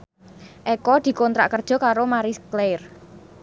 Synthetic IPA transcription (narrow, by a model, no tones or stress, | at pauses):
ʔɛkɔd̪̥i̤kɔnt̪ɾa̰ʔkərd̥ʒ̥ɔ̤kaɾomaɾiskler